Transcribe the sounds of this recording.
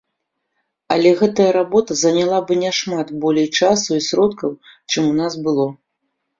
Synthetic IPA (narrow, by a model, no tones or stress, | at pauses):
ɐ̰lʲɛɣɛt̪ɐjɐɾabɔt̪ɐzɐnʲalˠabɨnʲaʂmat̪bɔlʲɛjt͡ʂasuisɾɔt̪kɐwt͡ʂɨmunasbɨlˠɔ